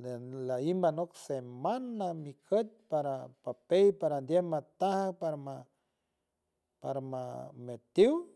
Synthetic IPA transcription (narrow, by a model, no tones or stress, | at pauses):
llaimbanoksemanːamikʰət̪̚paɾapapejpaɾand̪ʲjemat̪ahapaɾama | paɾama̰met̪iw